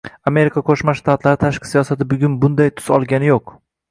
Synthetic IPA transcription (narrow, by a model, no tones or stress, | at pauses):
ame̞ɾɪkʰaqʰoʃmaʃt̪ʰat̪laɾɪt̪ʰaʃqʰɨ̥sijɒsat̪ʰɪbʊɡʲʊnbʊnd̪ajt̪ʰʊ̥z̥ɒlˠɡʲanɪjoq